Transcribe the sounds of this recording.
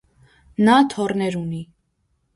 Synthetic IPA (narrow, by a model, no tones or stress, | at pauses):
nɑt̪ʰɔrnɛɾuni